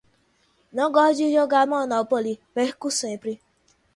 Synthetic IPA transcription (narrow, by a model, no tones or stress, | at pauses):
nɔɡɔd͡ʒijoɡamɔnɔpɔlibekusepɾi